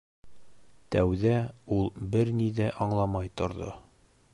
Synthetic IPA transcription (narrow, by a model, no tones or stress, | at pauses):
t̪æwðæulˠbɘɾnid̪æʔɒɴlˠɑmɑjt̪ŏɾðo̰